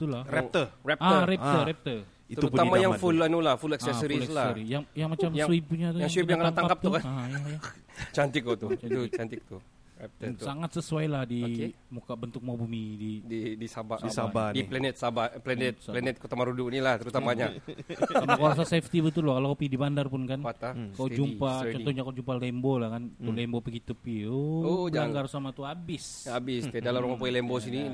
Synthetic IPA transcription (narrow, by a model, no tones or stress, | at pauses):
t̪ulaɾɛərɛp̚aəɾɛpt̪əɾɛp̚t̪ə | it̪əuamajaŋfulanulahfulɛksɛsəɾislasɾijaŋjaŋmat͡ʃamsuip̚puɲat̪ujaŋswipjãŋaat̪akap̚t̪ukaajaat͡ʃant̪ɪk̚ut̪ut͡ʃat͡ʃant̪ɪk̚t̪u | rɛp̚t̪əsaŋat̪səsuajlahdimukabənt̪ʊk̚mawbumidididisabaisabandiplɛnɛt̪̚sabaplɛnɛt̪slɛnɛt̪̚ko̥t̪amaɾudunilaht̪əɾut̪amaɲa | amakowasaseft̪ibət̪ulokalokopidibandarpʊnkanat̪akod͡ʒumpat͡ʃɔnt̪ɔɲakaod͡ʒumpalɛmbolahkant̪ulɛmbopəɡit̪upioaŋɡarsamat̪uabɪsabɪskadalammamapuilɛmbosini